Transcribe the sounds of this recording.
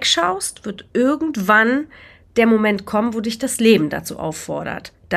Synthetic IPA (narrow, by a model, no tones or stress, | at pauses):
kʃaʊstv̥ɪɐtʔɪɐɡŋ̩tv̥an | d̥eːɐmomɛntkʰɔmənvoːdɪçd̥asleːbm̩da̰t͡sṵːʔa̰ʊfɔ̰ɐɾɐ̰td̥a